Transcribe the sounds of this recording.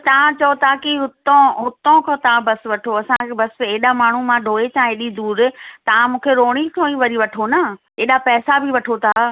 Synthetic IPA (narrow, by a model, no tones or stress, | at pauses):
t̪ɐʋ̤ãt͡ɕɐot̪akiɦʊt̪õɦʊt̪õkʰɐ̃t̪ɐʋãbɐsʋɐʈʰoɐsãkʰebɐseːɗamaːɳ̤umãɖʱoːet͡ɕʰãeɗid̪uːɾɪt̪ɐʋ̤ãmũːkʰeɾoːɽ̃ikʰõːiʋɐɾiʋɐʈʰonɐ | eːɗapɛːsabʱɪʋɐʈʰot̪ʰa